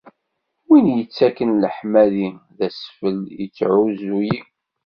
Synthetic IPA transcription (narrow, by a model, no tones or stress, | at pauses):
winjət͡sːækənləħmæliðæsfəljət͡sːʕuzuji